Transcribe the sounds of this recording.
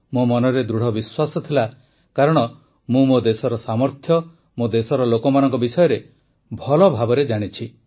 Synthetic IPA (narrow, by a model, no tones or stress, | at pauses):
momɔnɔɾed̪ɾuɽ̤ɔbiswasɔt̪ʰila | kaɾɔɽ̃ɔ | mũmod̪esɔɾɔsamɔɾt̪ʰjɔ | mod̪esɔɾɔlokɔmanɔŋkɔbisɔjɔɾe | bʱɔlɔbʱabɔɾed͡ʒaɽ̃it͡ʃʰi